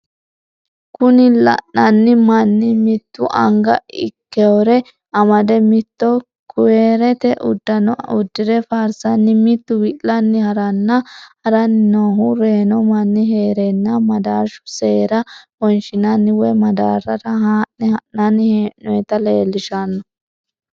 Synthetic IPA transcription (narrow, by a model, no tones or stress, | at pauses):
kʊnɪlɐ̰ʔːɐnːɪmɐnːɪmɪt̪ːʊʔɐ̰ŋɡɐ̰ɪ̰kːɛwɔɾɛ | ɐmɐd̪ɛmɪt̪ːɔ | kʊweːɾɛt̪ɛʔʊ̰d̪ːɐnɔʊd̪ːɪd̪ɛfaːɾsɐnːɪmɪt̪ːʊwɪlɐnːɪhɐɾɐnːɐhɐɾɐnɪnoːɦʊɾeːnɔmɐnːɪɦeːɾɛnːɐmɐd̪aːɾʃʊ̥se̞ːɾɐhɔnʃɪnɐnːɪwɛmɐd̪a̰ːɾɐɾɐɦanːɛhɐʔːɐnːɪhenɔɛt̪ɐleːlːɪʃɐnːɔ